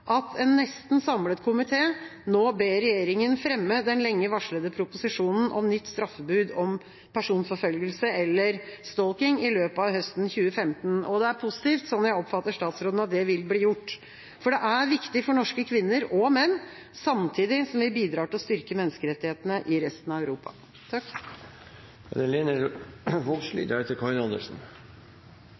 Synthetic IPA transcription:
ʔɑt̪ʰɛnːɛst̪n̩sɑmlət̪kʰʊmɪt̪ʰeːnoːbeːɾɛjeːɾɪŋənfɾɛmːəd̪ɛnlɛŋːəʋɑʂɭəd̪əpʰɾʊpʊsɪʂuːnn̩ʔɔmnʏt̪ːst̪ɾɑfːəbʉːd̪ɔm | pʰæʂuːnfɔfœlɡəlsəɛlːəɾst̪ɔlkɪŋɪløːpɑʋhœst̪n̩çʉːəfɛmt̪n̩ɔd̪ɛæɾpʰʊsɪ̥t̪iːft̪sɔnːɔjæɪɔpfɑt̪ːəʂt̪ɑːt̪sɾoːd̪n̩ɑt̪̚d̪ɛʋɪlbliːjʊʈː | fɔɖɛʔæɾʋɪkt̪ɪfɔɳɔʂkəkʰʋɪnːəɾɔmɛnː | sɑmt̪ʰiːd̪ɪsɔmʋɪbiːd̪ɾɑːʈɪlɔst̪ʏɾkəmɛnːəskəɾɛt̪ːɪheːt̪ənəʔɪɾɛst̪nɑœʉɾuːpɑ̰ | t̪ʰɑk | ɛ̰d̪ɛleːnəɾʋɔlʂly̰ːd̪ət̪ʰɪlkʰɑɾɪnɑnd̪ə̰ʂn̩

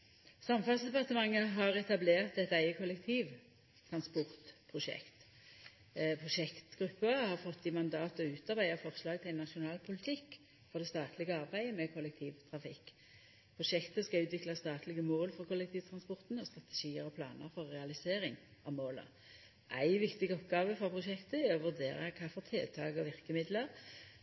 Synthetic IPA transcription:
sɑmfɑnsd̪ɛpɑʁt̪əmɑŋːəɦɑʁɛt̪ɑbleːʁt̪ɛt̪æɪəkʰʊlɛkt̪ʰiːʋ | t̪ʰʁɑnspʊʁt̪pʰʁʊʃɛ̰kt̪ | pʰʁʊʃɛkt̪ɡʁʉpːəhɑʁfɔt̪ːɪmɑnd̪ɑːt̪ɔʉːt̪ɑʁbæɪəfɔʁslɑːɡt̪ʰɪnɑʃʊnɑːlpʰʊlɪt̪ʰɪkː | fɔʁd̪ɛst̪ɑːt̪ʰlɪɡəɑʁbæɪəmɛkʰɔlːɛk̚t̪ʰiːʋt̪ʰʁɑfɪkː | pʰʁʊʃɛkt̪əskɑʉːt̪ʋɪklɑst̪ɑːt̪lɪɡəmoːlfɔʁkʰɔlɛk̚t̪ʰiːʋt̪ʰɾɑnspɔʁt̪nɔst̪ʁɑt̪ɛ̥ʃiːəɾɔpʰlɑ̰ːnə̰ɾfɔɾːɛɑlɪseːɾɪŋʔɑʋmoːlə̰ | ʔæɪʋɪkt̪ɪɡɔpɡɑːʋəfɾɔpʰʁʊʃɛkt̪əɔʋʉʁd̪eːɾə̰kʰɑːfɔʁt̪ʰɪlt̪ʰɑ̰ːɡɔʋɪʁkəmɪd̪lə

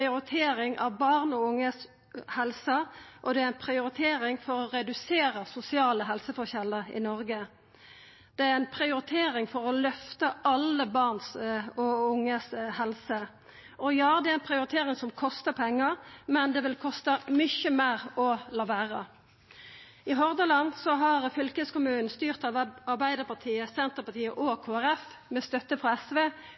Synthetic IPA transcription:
ɪʊɾɪt̪ʰeːɾɪŋʔɑ̰ʋbɑʁnɔʊŋːəs | hɛlsəʔɔd̪ɛæɾæɪnpʰɾɪʊɾɪt̪ʰeːɾɪŋfɔɾɔɾɛd̪ʉseːɾəsʊsɪɑːləɦɛlsəfɔçɛləʁɪ̰nɔɾɡə | d̪̥ɛæɾæɪnpʰʁɪʊɾɪt̪ʰeːɾɪŋfɔʁɔlœft̪əʔɑləbɑʁnsɔʊŋːəshɛlsə | ʔɔjɑːd̪ɛæɛnpʰʁɪʊɾɪt̪ʰeːɾɪŋsɔmkʰɔst̪əpʰɛŋːəɾmɛnd̪ɛʋɪlkʰɔst̪əmʏçəmæɾɔlɑʋæːʁə | ɪɦɔʁd̪əlɑnd̪sɔɦɑʁfʏlkəskʊmʉːnn̩st̪yːʁt̪ɑɑʁbæɪd̪əʁpɑʁt̪ʰiːəsɛnt̪əʁpɑt̪ʰiːəʔɔkʰoːæɾɛf | mɛst̪œt̪ːəfʁɔɛsʋeː

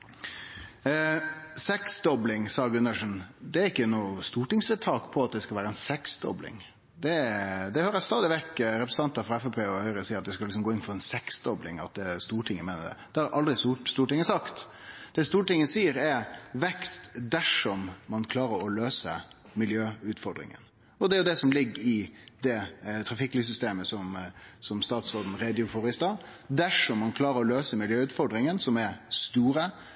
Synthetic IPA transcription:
sɛksd̪ɔblɪŋsɑɡʉnːəʂn̩d̪ɛæːɾɪkːənuːst̪uːʈɪŋsət̪ʰːɑːkpʰɔɑt̪̚d̪ɛskɑʋæːɾəɛnsɛksd̪ɔ̰blɪ̰ŋ | d̪ɛd̪ɛhøːɾəst̪ɑːd̪ɪʋɛkːɾɛpɾəsn̩t̪ɑnt̪ɑfʁɑɛfɛpʰeːɔhœʏɾəsiːɾɑt̪̚d̪ɛskɑlɪksɔmɡoːɪnfɔɾɛnsɛksd̪ɔblɪ̰ŋɑ̰t̪̚d̪ɛst̪uːʈʰɪŋːəmeːnəd̪ɛ̰d̪̥ɛɑɾʔɑld̪ɾɪstuːst̪uːʈɪŋːəsɑkt̪ | d̪̥ɛst̪uːʈɪŋːəsiːəɾɛʋɛkst̪d̪æʂɔmːɑnkʰlɑːɾəɾɔløːsə | mɪljøːʉt̪fɔɾɖdɾɪ̰ŋə̰n | ɔd̪ɛɾjʊd̪ɛsɔmlɪɡːɪd̪ɛt̪ʰɾɑfɪkːlyːs̬ʏst̪eːməsɔmsɔmst̪ɑːt̪sʁoːd̪n̩ɾeːd̪ɪʊfɔɾɪst̪ɑɾ | d̪æʂɔmːɑnkʰlɑːɾəɾɔløːsəmɪljøːʉːt̪fɔɾɖɾɪŋənsɔmɛɾst̪uːɾə

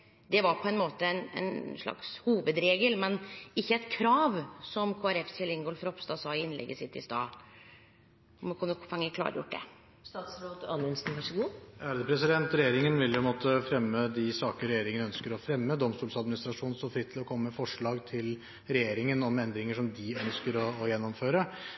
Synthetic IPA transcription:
d̪ɛʋɑɾpʰɔɛnmoːt̪əɛnɛ̰ɪnʂɭɑ̰kshuːʋəd̪ɾeːɡəlmɛnɪçːəɛt̪kʰɾɑːʋsɔmkʰoːæɾɛfsɛlɪŋɡoːlfɾɔpst̪ɑːsɑːɪɪnlɛ̰ɡːəsɪt̪ːɪ̰st̪ɑ̰ː | ɔmkʰʉnːəfɑŋːəkʰlɑ̰ːɾə̰jʊ̰ʈ̚ːd̪ɛ̰ | st̪ɑːt̪sɾoːd̪ɑnʉnsn̩ʋɑɾʂəɡuːæːɾəd̪əpʰɾɛsɪd̪ɛnt̪ɾɛjeːɾɪŋənʋɪljpʰɛnmoːt̪əfɾɛmːəd̪ɪsɑːkəɾɛjeːɾɪŋəœnskəɾɔfɾɛmːəd̪ɔmst̪uːlsɑd̪mɪnɪst̪ɾɑʂuːnnst̪oːfɾɪt̪ʰːɪlɔkʰɔmːəmɛfɔʂɭɑːɡt̪ʰɪl | ɾɛjeːɾɪŋənɔmɛnd̪ɾɪŋəʂɔmd̪ɪœnskəɾɔːjɛnːɔmføːɾə

